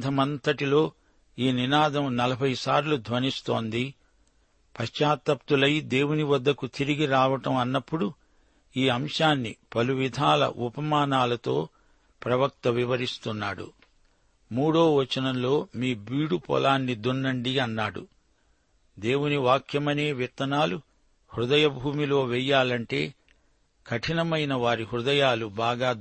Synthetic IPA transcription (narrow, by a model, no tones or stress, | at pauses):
d̪ʱɐmɐnt̪ɐʈilo̞ː | iːninaːd̪ɐmnɐlɐbʱɐjsaːɾlud̪ʱʋɐnist̪o̞ːnd̪i | pɐʃt͡ʃaːt̪ɐp̚t̪ulɐjd̪e̞ːwuniʋɐd̪ːɐkut̪iɾiɡiɾaːʋɐʈɐmɐnːɐpːuɽu | iːɐmʂaːnːipɐluʋid̪ʱaːlɐ̰ʔupɐmaːnaːlɐt̪o̞ː | pɾɐʋɐk̚t̪ɐʋiʋɐɾist̪unːa̰ːɽṵ | muːɽo̞ːʋɐt͡ʃɐnɐnlo̞ːmiːbiːɽupɔ̰laːnːid̪unːɐɳɖiɐnːaːɽṵ | d̪e̞ːwuniʋaːkʰjɐmɐne̞ːʋit̪ːɐnaːlu | hɾud̪ɐjɐbʱuːmilo̞ːʋɛjːaːlɐɳʈe̞ː | kʰɐʈʰinɐmɐjnɐʋaːɾihɾud̪ɐjaːlubaːɡaː